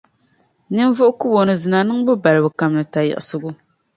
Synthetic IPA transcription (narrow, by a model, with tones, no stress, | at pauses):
nɨ˦n˦vʊ˦ʔʊ˦ku˦bo˨nɨ˨zɨ˨na˨nɨ˦ŋbɨ˦ba˨lɨ˨bɨ˨ka˨mnɨ˨ta˨jɛ̰˨ʔɪ˨sʊ˦ɡʊ˦